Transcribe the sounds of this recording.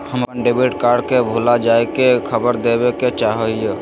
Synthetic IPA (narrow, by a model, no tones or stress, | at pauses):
həmənɖebiʈkaːɾɖkebʱulad͡ʒaekekʰəbəɾd̪ebeket͡ʃaɦəɦijo